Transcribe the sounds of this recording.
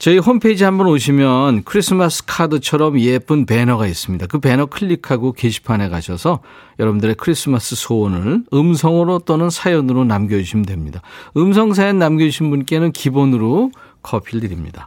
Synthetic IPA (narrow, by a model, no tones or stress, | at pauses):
t͡ɕʌiɦompʰeid͡ʑiɦambʌnoɕ̬ʰimjʌnkʰɯɾis͈ɯmas͈ʰɯ̥kʰadɯt͡ɕʰʌɾʌmjep͈ɯnpe̞nʌɡais͈ɯmɲidakɯpe̞nʌkʰɯʎːikʰaɡokeɕʰi̥pʰane̞ɡaɕʰʌsʰʌ | jʌɾʌbundɯɾekʰɯɾis͈ʰɯmas͈ɯsʰoʌnɯɭɯmsʰʌŋɯɾot͈onɯnsʰajʌnɯɾonamɡjʌuɕʰimdwe̞mɲidaɯmsʰʌŋs̬ʰajʌnːamɡʌuɕʰinbunk͈e̞nɯnkibonɯɾo | kʰʌpʰiɭdɯɾimɲḭda